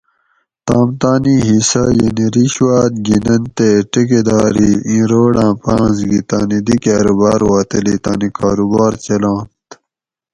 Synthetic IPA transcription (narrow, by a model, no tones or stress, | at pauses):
t̪aːmt̪aːniɦisɐjɐniɾiɕwaːt̪̚ɡinɐnt̪eʈeked̪aːɾiĩːɾoːɽãːpãːzɡit̪aːnid̪ikaːɾobaːɾwaːt̪ɐlit̪aːnikaːɾubaːɾt͡ɕɐlãːnt̪